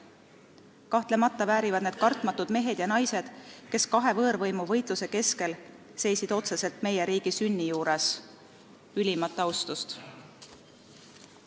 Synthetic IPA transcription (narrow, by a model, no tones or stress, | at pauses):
kɑht̪le̞mɑt̪ːˑɑvæːɾivɑd̪ned̪̥kɑrt̪ˑmɑt̪ːud̪̥me̞ɦe̞d̪jɑnɑjse̞d̪̥ke̞skɑɦe̞vɤːɾvɤjmuvɤ̞jt̪luse̞ke̞ske̞l | se̞jsid̪̥o̞t̪se̞se̞lt̪me̞jeɾiːɡ̥isynʲːijuːɾes | ylʲimɑt̪ːˑɑwst̪ust̪